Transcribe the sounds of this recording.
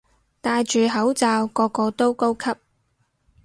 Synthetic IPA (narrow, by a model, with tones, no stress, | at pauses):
t̪aː˧jt͡ʃyː˨ɦɐ˨˥wt͡saː˧wkɔː˧kɔː˧t̪o˥wko˥wkʰɐ˥p̚